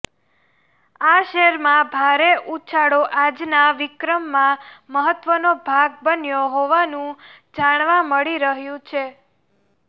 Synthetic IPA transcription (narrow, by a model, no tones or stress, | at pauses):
aʃɛɾmãbʱaɾeʔut͡ʃʰaɽoʔad͡ʒnaʋɪkɾəmːãməɦət̪ʋənobʱaɡ̚bənjoɦoʋanũ | d͡ʒaɽ̃ʋãməɭiɾəɦjũt͡ʃʰe